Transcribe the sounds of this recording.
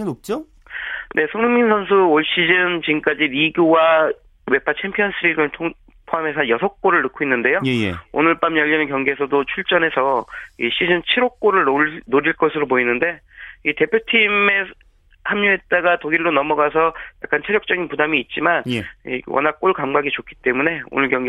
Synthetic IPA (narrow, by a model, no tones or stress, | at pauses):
nop̚t͡ɕ͈o | nʔe̞sʰoŋuminsʰʌns̬ʰuoɭɕ͈id͡ʑɯnt͡ɕiɯmk͈ad͡ʑiɾiɡjowa | we̞pʰat͡ɕʰempʰijʌns͈ʰɯɾiɡɯɭtʰoŋ | pʰoame̞sʰʌjʌsʰʌk̚k͈oɾɯɭnɯkʰoinːɯnde̞jojejḛo̰nɯɭp͈amjʌʎːinɯkjʌŋɡies̬ʰʌdot͡ɕʰuɭt͡ɕ͈ʌne̞sʰʌiɕ͈id͡ʑɯnt͡ɕʰiɾok̚k͈oɾɯɭonoɾiɭk͈ʌs̬ʰɯɾop̬oinːɯnde̞ | ite̞pʰjotʰime̞ | hamɲuɦe̞t̚t͈aɡatoɡiɭːonʌmʌɡasʰʌja̰k͈ant͡ɕʰeɾjʌk̚t͡ɕ͈ʌɡinpudamiːt̚t͡ɕ͈imanḭwʌ̰nak̚k͈oɭkamɡaɡit͡ɕokʰi̥t͈e̞mune̞o̰nɯɭkjʌŋɡ